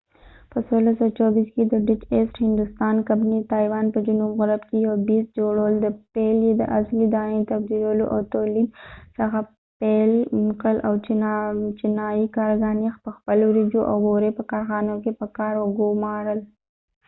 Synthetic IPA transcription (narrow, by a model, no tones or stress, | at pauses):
pəswolasat͡ʃabisked̪əɖɪt͡ʃesʈhɪnd̪ʊst̪ɑnkabnit̪ɑjwɑnpəd͡ʒʊnumɣaɾabkejawbis̚d͡ʒoɽawəld̪əpeljed̪ə̰ʔaslid̪ɑnet̪abd̪iɾaloʔa̰wt̪olid̪̚səxa | pelmkəlʔaw | t͡ʃɪnɑjikɑɾɡɑnexpəxpəlowɾid͡ʒoʔa̰wːoɾepəkɑɾxɑnokepəkɑɾoɡomɑɾəl